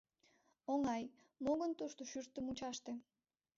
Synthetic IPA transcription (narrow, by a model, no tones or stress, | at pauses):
oŋɑj | moɣont̪oʃt̪oʃyɾt̪ːəmut͡ɕɑʃt̪ĕ